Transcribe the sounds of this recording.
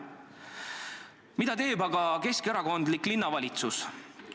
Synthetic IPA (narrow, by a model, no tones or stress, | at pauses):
mid̪̥ɑt̪e̞ːbɑɡɑke̞skeɾɑko̞nd̪liklinːɑvɑlʲit̪sus